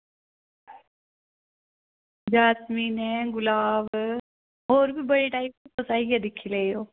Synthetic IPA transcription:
d͡ʒaːsmiːnɛ̃ɡʊlaːʋ | oːɾbʱibɐɽeʈaːɪp̚pɐsaːiad̪ɪkʰileoː

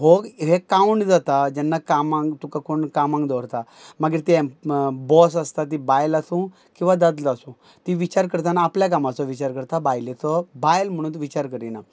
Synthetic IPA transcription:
ɦoɡɦẽkauɳʈd͡zat̪ad͡ʑɛnːakamãŋɡt̪ukakoɳkamãŋɡd̪ɔʋɾt̪a | maɡiɾt̪ĩbɔsast̪at̪̬ibajlasũ | kĩw̃ʋad̪ad̪lasũ | t̪iʋit͡ɕaɾkəɾt̪anaːpljak̬amãt͡sɔʋit͡ɕaɾkəɾt̪abajlet̪ɔbajlm̤əɽ̃uːt̪ʋit͡ɕaɾkəɾina

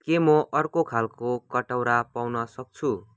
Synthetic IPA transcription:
kemʌʔʌrkokʰalkokʌʈawɾapawnʌsʌk̚t͡sʰu

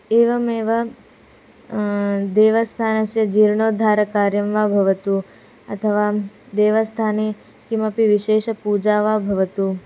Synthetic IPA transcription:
eːʋɐmeːʋɐ | d̪eːʋɐst̪ʰaːnɐsjɐd͡ʒiɾɳoːd̪ʱaːɾɐkaːɾjɐmʋabʱɐʋɐt̪uː | ɐ̰t̪ʰɐʋaːd̪eːʋɐst̪ʰaːneː | kimɐpiʋiʃeːʃɐpud͡ʒaːʋaːbʱɐʋɐt̪uː

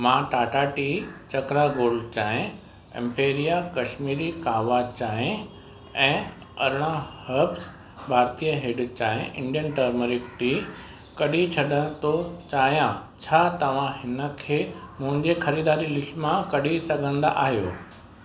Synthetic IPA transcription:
mãʈaːʈaːʈit͡ɕɐkɾaɡoːlt͡ɕaːɦẽ | ɛ̰̃mpeːɾijakɐʃmiːɾikaːʋaːt͡ɕaːɦẽ | ɛ̃ː | ɐ̰ɾɽ̃ahɐbs | bʱaːɾt̪ijəɦɪɖt͡ɕaːɦẽʔɪ̃ɳɖijənʈəɾməɾɪkʈi | kɐɗit͡ɕʰɐɗəɽ̃t̪ot͡ɕaːɦjãt͡ɕʰaːt̪ɐʋ̤ãɦɪnə̆kʰeːmʊ̃ɦɪ̃ɲd͡ʑexɐɾiːd̪aːɾilɪsmãkɐɗisɐɡʱə̃nd̪a̰ʔaːɦjoː

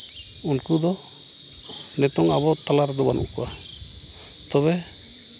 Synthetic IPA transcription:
unkud̪ɔ | nɛt̪ɔŋabɔt̪alaɾd̪ɔbanṵŋkua | t̪ɔβɛ

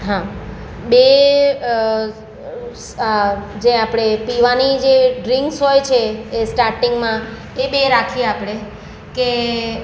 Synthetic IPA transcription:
ɦã | be | d͡ʒeapɽ̃epiʋanid͡ʒeɖɾiŋksɦɔjt͡ʃʰeːsʈaɾʈiŋɡmã | ebeɾakʰieapɽ̃e | ke

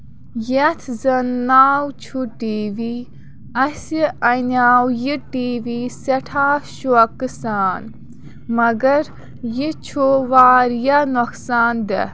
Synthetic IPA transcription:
jet̪ʰzɐnːaːwt͡ʃʰuʈiːʋi | ɐsiɐnʲaːwjiʈiːʋiːsɐʈʰaːʃuɐkɨsaːn | mɐɡɐɾ | jit͡ʃʰuʋaːɾjanoksaːnd̪ɛ̰

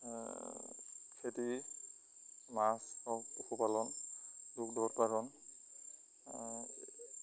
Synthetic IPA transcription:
kʰeti | masɔtɔkʰɔpalɔnduk̚dɔt̚paɾɔn

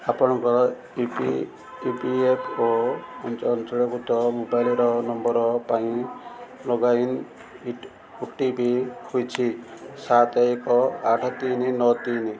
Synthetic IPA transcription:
apɔɽ̃ɔŋkɔ | ḭ | ipiepʰoɔnt͡ʃɔːnt̪ɔɭɔkut̪ɔmobajliɾɔnɔmbɔɾɔpaĩ | lɔɡain | iʈ | huʈibihojt͡ʃʰisat̪ɔekɔaʈʰɔt̪ininɔt̪ini

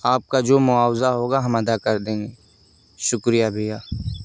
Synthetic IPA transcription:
aːp̚kad͡ʒoːmʊaːwzaɦoːɡaɦɐmɐd̪akɐɾd̪ẽːŋɡeː | ʃʊkɾijabʱijaː

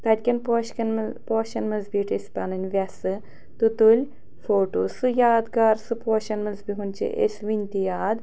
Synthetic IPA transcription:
t̪ɐd̪ʲkʲɐnpoʃkɐnpoːʃɐnmɨzbiːʈesʲpɐnɨnʲʋʲɐsɨ | t̪ɨt̪ulʲ | foːʈoːsɨjaːd̪ɡaːɾsɨpoːʃɐnmɐzbiɦunt͡ʃʰḭʔḛsʲʋinʲt̪ijaːd̪

